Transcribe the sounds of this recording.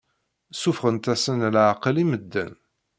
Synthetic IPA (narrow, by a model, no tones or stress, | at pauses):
sufχənt̪æsənlʕqəliməd̪ːə̰n